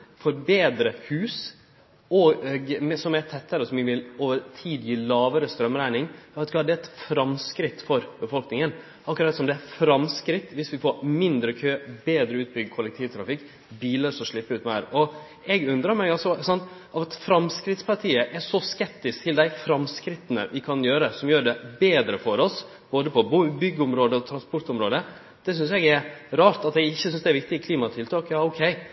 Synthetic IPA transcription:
fɔɾbeːd̪ɾəhʉːs | ɔɡmɛsɔmæt̪ʰɛt̪ʰːəɾəsɔmʋɪʋɪloːʋəɾt̪ʰiːd̪jiːlɑːʋəɾəst̪ɾœmɾæɪnɪŋːʋɑt̪kʰɑːd̪ɛæɛt̪fɾɑmskɾɪt̪ːfɔɾbəfɔlknɪŋən | ɑkːʉɾɑt̪sɔmd̪ɛæfɾɑmskɾɪt̪ːʋɪsʋɪfoɾmɪnd̪ɾəkʰøːbeːd̪ɾəʉːt̪̚bʏɡkʰʊlɛkt̪ʰiːʋt̪ʰɾɑfɪkː | biːləɾsɔʂɭɪpːəʉːt̪mæɾɔ | ɛɡʉnd̪ɾəɾmæɪɡɑlsɔsɑnt̪ | ɑʋɛt̪fɾɑmskɾɪt̪spʰɑɾʈ̪ʰiːəʔɛʂɔskɛp̚t̪ɪskt̪ʰɪld̪æɪfɾɑmskɾɪt̪ːənə̰ʋɪkʰɑnjøːɾəsɔmjøːɾɖ̪ɛbeːd̪ɾəfɔɾɔs | b̥oːd̪əpʰɔbbʏɡːəʊmɾoːd̪əɔt̪ʰɾɑnspɔɾʈ̪ʊmɾoːd̪ə | d̪̥ɛs̬ʏnsɛɡɛɾɾɑːɾt̪ɑt̪ɛɡɪçːəsʏnsd̪ɛɾʋɪk̚t̪ɪəkʰliːmɑt̪ʰɪlt̪ʰɑːkjɑːɔʊkʰɛɪ

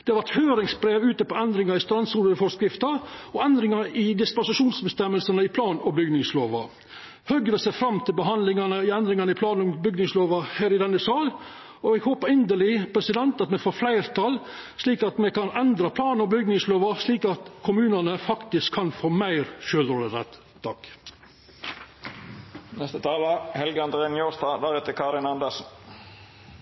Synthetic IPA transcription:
d̪̥ɛhɑɾʋæt̪høːɾɪŋsbɾeːʋʉːt̪əpɔɛnd̪ɾɪŋɑɾɪst̪ɾɑnsuːləɾəfɔskɾɪft̪ɑɔɛnd̪ɾɪŋɑɾɪd̪ɪspɑnsɪʂuːnsbəst̪ɛmːəlsənəɪpʰlɑːnɔbʏɡnɪŋsloːʋɑ̰ | hœɡɾəsɛfɾɑmt̪ʰɪlbəɦɑnlɪŋɑnəɪɛnd̪ɾɪŋɑnəɪpʰlɑːnɔbʏɡnɪŋsloːʋɑhæːɾɪd̪ɛnːəsɑːl | ɔɛɡhoːpəɾɪnd̪əlɪpʰɾɛsɪd̪ɛnt̪ɑt̪mɛfoːflæɪɾt̪ʰɑl | sliːkɑt̪mɛkɑnɛnd̪ɾɑpʰlɑːnnɔmbʏɡnɪŋsloːʋɑsliːkɑt̪kʰʊmʉːnɑnəfɑkt̪ɪskʰːɑnfoːmæɪɾʃøːlɾoːləɾɛ̰t̪ | t̪ʰɑk | nɛst̪ət̪ʰɑːlɑhɛlɡəɑnd̪əɾenjoːst̪ɑd̪æɾʉːt̪əkʰɑd̪ɪnɑnd̪əsn

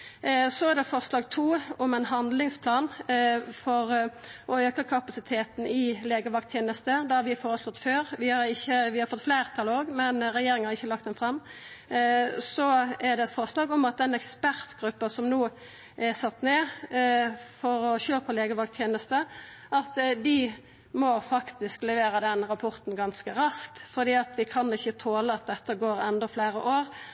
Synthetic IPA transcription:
sɔæʁd̪ɛfɔʁslɑːɡt̪ʰuːɔmɛnɦɑnd̪lɪŋspʰlɑːnfɔɾ | ʔɔøːkəkʰɑpɑsɪt̪ʰeːt̪n̩ɪleːɡəʋɑk̚t̪ʰjeːnəst̪əd̪ɑhɑɾʋɪfoːɾəslɔt̪ːføːɾʋɪhɑɾɪçːəʋɪhɑɾfɔt̪ːfleɪʁt̪ʰɑloːɡmɛnʁɛjeːɾɪŋənhɑʁɪçːəlɑk̚t̪d̪ɛnfʁɑmː | sɔɛd̪ɛɛt̪fɔʁslɑːɡɔmɑt̪̚d̪ɛnɛkspæʁt̪ɡɾʉpːɑsɔmnuː | ʔɛʁsɑt̪ːneː | fɔɾɔçøːpʰɔleːɡəʋɑlk̚t̪ʰjeːnəst̪ə | ʔɑt̪d̪ɪ | mɔfɑkt̪ɪsklɛʋeːɾəd̪ɛnɾɑpʰɔʁt̪n̩ɡɑnskəɾɑsk̚t̪fɔʁd̪iːɑt̪ʋɪkʰɑnɪçːət̪ʰoːləɑt̪̚d̪ɛt̪ːəɡoːɾɛnd̪ɔfleːɾəʔoːɾ

